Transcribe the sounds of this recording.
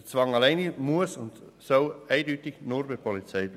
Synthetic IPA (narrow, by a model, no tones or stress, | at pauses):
t͡svɑŋɑlaɪnimuəsʊnd | soʊæɪdyːtɪɡ̥nʊɾbɪpʰɔlit͡sɛɪ